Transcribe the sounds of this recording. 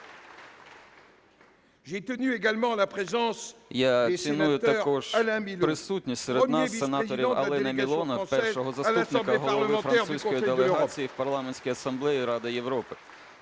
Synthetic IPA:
ʒet̪ənyeɡalmɑ̃lapχezɑ̃sjat͡sʲinujʊt̪ɐkɔʒ̥alɛ̃milpɾɪsutʲnʲisʲtʲseɾensːenɑɔɾʲiwɐ̰lˠɪnɐmʲilˠɔnɐpɛrɔɦɔzɐslupnɪkɐɦɔlˠɔʋɪ̃fɾɐnsusʲkɔjid̪elˠeɦɑt͡sʲijiwpɐrlˠɑmenʲsʲkʲijɐsɐmblˠɛjiɾɑd̪ɪjeʋɾɔpɪ

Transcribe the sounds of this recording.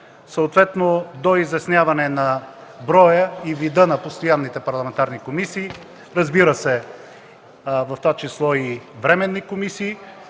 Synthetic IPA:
səʊt̪vɛt̪nod̪oizɛsnjavɐnɛnɐ | bɾɔjəivid̪ənɐpost̪ojanːit̪ɛpɐɾlˠɐmɛnt̪aɾnikomisiː | ɾɐzbiɾəsɛ | vɐft̪vat͡ʃislˠɔivɾɛmɛnːikomisiː

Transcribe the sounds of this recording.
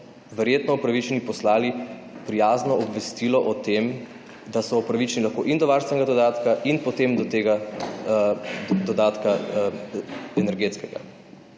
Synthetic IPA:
ʋɛɾjeːt̪nɔɔpɾaʋit͡ʃɛnipɔslaːli | pɾijaːznɔɔbʋɛst̪iːlɔʔɔt̪em | d̪asɔɔpɾaʋit͡ʃɛnilaxkoːʔind̪ɔʋaːɾst̪ʋɛnɛɡad̪ɔd̪aːt̪kaʔinpɔt̪emd̪ɔt̪eːɡa | d̪ɔd̪aːt̪ka | ɛnɛɾɡeːt̪skɛɡa̰

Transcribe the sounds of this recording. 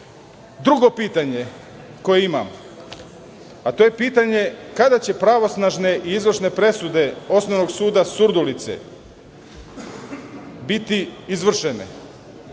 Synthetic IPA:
d̪ɾuɡo̞piːt̪aɲe̞ | ko̞jeima̰m | at̪oje̞piːt̪aɲe̞kad̪at͡ɕe̞pɾaʋo̞snaʒne̞ʔiizʋr̩ʃne̞pɾe̞sud̪e̞o̞sno̞ʋno̞ɡsuːd̪asuɾd̪ulit̪sḛ | bit̪iizʋr̩ʃenḛ

